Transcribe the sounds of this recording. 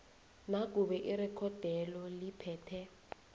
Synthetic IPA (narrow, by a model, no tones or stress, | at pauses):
nak̬ʼuɓɛʔirɛkʰɔd̥ʱɛlɔlipʰɛːtʰɛ